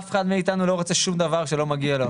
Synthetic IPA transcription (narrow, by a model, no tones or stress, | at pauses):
feχad̪miit̪anulo̞ʁot͡se̞ʃumd̪avaʁʃe̞lo̞maɡialo